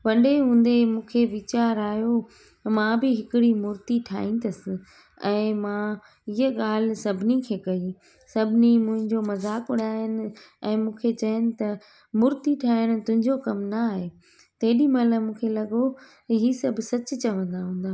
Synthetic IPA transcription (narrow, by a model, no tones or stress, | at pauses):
ʋɐɖeɦũːn̆d̪emũːkʰeʋɪt͡ɕaːɾaːɦjo | mãbɪɦɪkɪɽimʊɾt̪iʈʰa̰ːɦĩːnd̪ɐsɪ̆ | ɛ̃ːmã | ɪɦəɠaːl̤ɪ̆sɐbʱɪnikʰeːkɐi | sɐbʱɪnimʊ̃ɦɪ̃ɲd͡ʑomɐzaːkʊɽaːənɪ̆ɛ̃ːmũːkʰet͡ɕɐjənɪ̆t̪ɐ | mʊɾt̪iʈʰaːəɽ̃ʊ̆t̪ʊ̃ɦɪ̃ɲd͡ʑokɐmnɐaːɦe | t̪ɐɦɪɗimɐləmũːkʰelɐɠo | ɦiːsɐbʱsɐt͡ɕ̆t͡ɕɐʋə̃nd̪aɦũːnd̪aː